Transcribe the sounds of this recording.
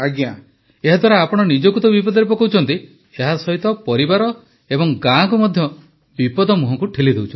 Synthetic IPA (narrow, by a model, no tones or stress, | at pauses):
aɡjã | eɦad̪ʱwaɾaapɔɽ̃ɔnid͡ʒɔkut̪ɔbipɔd̪ɔɾepɔkawt͡ʃʰɔnt̪i | eɦasɔɦit̪ɔpɔɾibaɾɔ | ebɔŋɡãkumɔd̪ʱjɔ | bipɔd̪ɔmuɦɔ̃kuʈʰilid̪ʱewt͡ʃʰɔ